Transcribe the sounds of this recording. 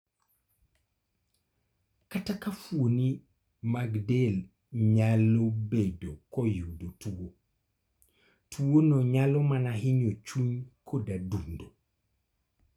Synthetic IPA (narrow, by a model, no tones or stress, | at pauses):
katakafuoni | maɡdel | ɲalːobedokojudotuwo | tʰuwonoɲalomanaɦiɲot͡ʃuɲkʰodadundo